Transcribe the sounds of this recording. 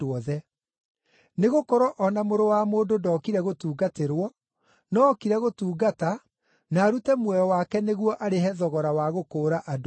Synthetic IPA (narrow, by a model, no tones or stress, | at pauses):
ɔðɛ | neɣokɔɾɔʔɔnamoɾowamoːdodɔːkiɾɛɣotuːɡateɾwɔ | nɔːkiɾɛɣotuːɡata | naːɾutɛmwɛjɔwakɛneɣwɔʔaɾeɦɛðɔɣɔɾawaɣokoːɾaʔado